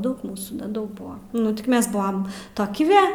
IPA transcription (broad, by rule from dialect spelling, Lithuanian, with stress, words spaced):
ˈdɐʊk ˈmuːsuː nʲɛˈdɐʊk ˈbʊɐ ˈnʊ tʲɪk ˈmʲɛs bʊɐm ˈtoːkʲɪ ʋʲɛ